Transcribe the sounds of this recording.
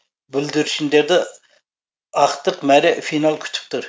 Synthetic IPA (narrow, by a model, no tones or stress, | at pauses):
byld̪yɾyʃind̪eɾd̪ɛ | ɑχt̪əqmɛɾɛfinɑlˠkʲʰy̥t͡ʃ̪ʰy̥p̚t̪ʰuɾ